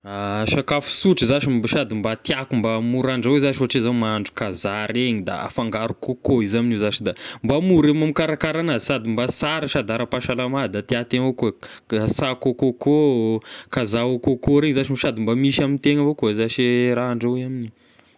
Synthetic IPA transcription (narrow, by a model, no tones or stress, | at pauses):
aʃakafu̥suʈ͡ʂizaʃibaʃad̪imbat̪jakumbamuɾaɳɖ͡ʐawezaʃifoaʈ͡ʂezamaɳɖ͡ʐu̥kazaɾeɲid̪a̰a̰faŋɡaɾukokoizaminizaʃid̪ambamuɾemamikaɾakaɾanazisad̪imbasaɾaʃad̪aɾapaʃalamad̪at̪iat̪evokuasakokoko | kazaokokoɾeŋzaʃimiʃad̪imbamiʃamint̪eŋəvokozaʃeɾaɳɖ͡ʐawamini